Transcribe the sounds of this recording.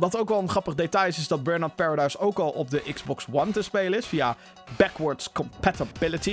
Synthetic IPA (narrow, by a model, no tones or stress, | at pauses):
ʋɑtowkʋɛlˠənχrɑpəχdetɑjɪsɪzdɑd̚bɜɹnɑt̚pɛːɹadajsowkɑlˠɔ̰b̚dəʔɪɡz̥bɔkswɑntəspejlənɪsfija | bɛkwəɹtskɔmpætabɪləti